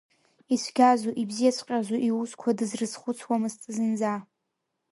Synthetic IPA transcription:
isʷʰɡʲazuʔibzijat͡ʃʷʼqʲʼazuʔiwuskʷʰadɨzrɨzχʷʊt͡sʰwamɨzt͡sʼɨzɨnd͡za

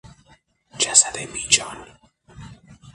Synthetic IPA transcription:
d͡ʒasad̪emiːd͡ʒɒːn

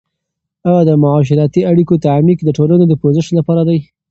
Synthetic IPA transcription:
ajɑd̪əmʊʕɑʃ̬ɪɾɑt̪iaɽikot̪aʕmikd̪əʈolanod̪əpozəʃlapɑɾad̪aj

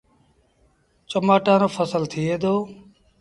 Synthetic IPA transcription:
t͡ʃəmaːʈãːnoːfʰəsəlt̪ʰɪːeːd̪oː

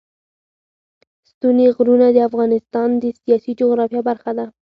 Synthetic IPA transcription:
st̪uneɣɾunad̪əafɣɑnɪst̪ɑnd̪əsijɑsid͡ʒoɣɾɑfjɑbaɾxad̪a

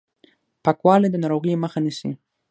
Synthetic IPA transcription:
pakwɑled̪ənɑɾoɣejməxanisḭ

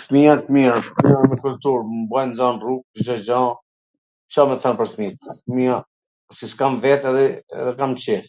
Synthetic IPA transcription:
θmiakmiamiamɛkul̚t̪uɾmbajnzanruk̚d͡ʒɔd͡ʒa | t͡ʃamɛθanpəɾθmit̪mia | siskamvɛt̪ɛðɛɛ̰ðɛkamt͡ʃɛf

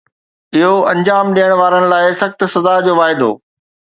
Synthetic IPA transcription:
ɪɦoɐ̃ɲd͡ʑaːmɗiːəɽ̃ʋaːɾəɽ̃ɪ̆laːɪsɐxt̪sɐzad͡ʑoːʋaːɦɪd̪o̰ː

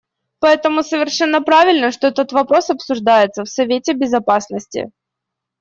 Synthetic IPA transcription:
pɐɛt̪əmʊsəvʲɪrʂɛnːəpɾavʲɪlʲnəʂt̪o̞ɛt̪ət̪vɐpɾo̞sɐpsʊʐd̪ajɪt̪səfsɐvʲetʲɪbʲɪzɐpasnəsʲtʲɪ̰

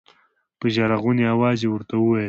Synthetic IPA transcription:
pəʒaɾaɣuneawɑzewəɾt̪awəwaj

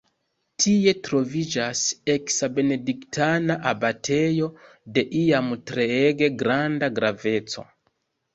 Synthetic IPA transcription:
tʰie̞tɾo̞vid͡ʒase̞ksabe̞ne̞diktʰanaʔabatʰe̞jo̞ | de̞ʔiamtɾe̞eɡe̞ɡɾandaɡɾave̞t͡so̞̰

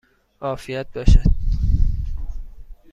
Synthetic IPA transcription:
ʔɒːfijæt̪̚bɒːʃæd̪̥

